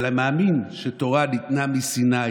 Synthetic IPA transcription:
lameːminʃetoʁanit̪namisina

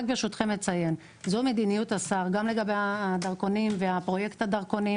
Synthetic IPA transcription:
kbeʃut̪χe̞mːet͡saje̞n | zomed̪inijut̪asaʁɡamle̞ɡabejaːd̪aʁko̞nimveapʁo̞je̞kt̪ad̪aʁko̞ni

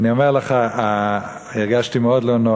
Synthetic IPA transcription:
niomeʁleχa | iʁɡaʃtimeodlono

